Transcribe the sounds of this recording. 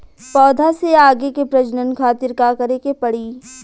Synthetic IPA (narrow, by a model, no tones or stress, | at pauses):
pɔːd̪ʱaseaːɡekepɾɐd͡ʒnənkʰaːt̪ɪɾkaːkɐɾekepɐɽiː